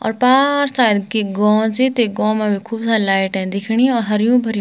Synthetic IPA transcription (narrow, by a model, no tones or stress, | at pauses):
ɔ̰ːɾpaːɾsaːjd̪kiɡɔ̃ːt͡ʃit̪eɡɔ̃ːmãbikʰuːbsalaːɪʈɛ̃d̪ɪkʰɽ̃iɔːɾɦɐɾjũːbʱɐɾjũ